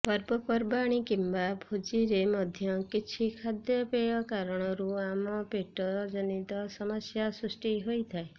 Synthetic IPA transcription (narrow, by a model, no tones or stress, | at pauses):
pɔɾbɔpɔɾbaɽ̃ikimbabʱud͡ʒiɾemɔd̪ʱjɔkit͡ʃʰikʰad̪jɔpejɔkaɾɔɽ̃ɔɾuamɔpeʈɔd͡ʒɔnit̪ɔsɔmɔsjasɾusʈiɦojt̪ʰae